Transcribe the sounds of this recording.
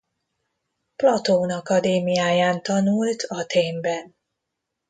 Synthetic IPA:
plɒt̪oːnɒkɒd̪eːmijaːjaːnt̪ɒnult̪ʰɒt̪ʰeːmbɛn

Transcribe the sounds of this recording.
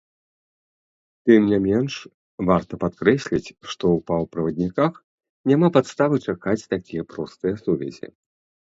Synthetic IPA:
t̪ɨmnʲamʲɛnʂ | vart̪ɐpat̪̚kɾɛsʲlʲit͡sʲʂt̪ɔwpawpɾɐvɐd̪ʲnʲikax | nʲamapat̪st̪avɨt͡ʂakat͡sʲt̪akʲijɐpɾɔst̪ɨjɐsuvʲɛ̰zʲḭ

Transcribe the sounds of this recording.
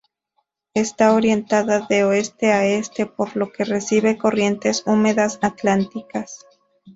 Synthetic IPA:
e̞st̪ao̞ɾje̞nt̪aðaðe̞oe̞st̪e̞ae̞st̪e̞po̞ɾlo̞ke̞re̞siβe̞ko̞rje̞nt̪e̞sume̞ðasat̪lant̪ikas

